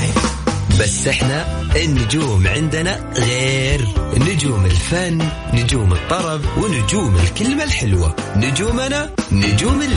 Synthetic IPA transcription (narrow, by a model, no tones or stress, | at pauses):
basːʔɪħna | ʔɪnːʊd͡ʒuːmʕɪnd̪na | ɣeːɾnʊd͡ʒuːmɪlfanː | ʊd͡ʒuːmɨt̪ˤːɑɾˤɑbwɪnʊd͡ʒuːmɪlkɪlmalħɪlwa̰nʊd͡ʒuːmananʊd͡ʒuːmɪl